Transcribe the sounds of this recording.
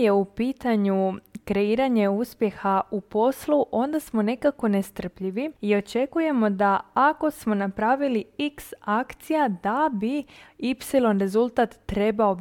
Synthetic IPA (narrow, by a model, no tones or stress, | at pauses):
je̞upiːt̪aɲukɾe̞iːɾaɲe̞uspje̞xaupo̞sluʔo̞nd̪asmo̞ne̞kako̞ne̞st̪r̩pʎiʋiio̞t͡ʃe̞kuje̞mo̞d̪aako̞smo̞napɾaːʋiliiksakt̪sijad̪abiipsilo̞nɾe̞zulˠt̪at̪ːɾe̞bao̞